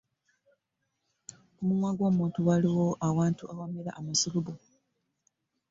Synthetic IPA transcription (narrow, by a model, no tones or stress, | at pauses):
omumwaɡoːmuːntuwaliwo̞ʔawaːntuʔawamiɾa̰ʔːmasuluβo